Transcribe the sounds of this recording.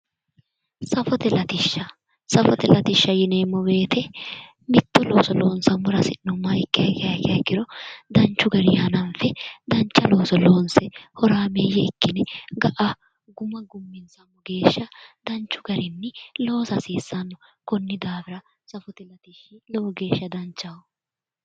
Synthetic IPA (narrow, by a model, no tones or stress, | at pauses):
sɐfɔt̪ɛlɐt̪ɪʃːɐ | sɐfɔt̪ɛlɐt̪ɪʃːɐjɪneːmːɔbe̞ːt̪ʰɛ | mɪt̪ːɔloːsɔlo̞ːnsɐmːʊɾɐsɪnːɔmɐjkʼːɪjɐkɪjɐkɪɐkːɪɾɔd̪ɐnt͡ʃːʊɡɐɾɪjaːnɐnfɛd̪ɐnt͡ʃːɐlo̞ːsɔlo̞ːnsɛhɔɾaːmejɛɪkːɪnɛɡɐʔa | ɡʊmɐɡʊmːɪnsɐmːɔɡe̞ːʃːɐd̪̥ɐnt͡ʃːʊ̥ɡɐɾɪnːɪlo̞ːsɐsiːsːɐnːɔkɔnːɪd̪aːfɪɾɐ | sɐfɔt̪ɛlɐt̪ɪʃɪlɔwɔɡe̞ːʃːɐd̪ɐnt͡ʃːɐwɔ